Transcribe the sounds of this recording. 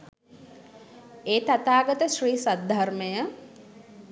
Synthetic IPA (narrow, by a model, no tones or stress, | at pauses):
eːt̪at̪aːɡət̪əʃriːsad̪ʱarməjə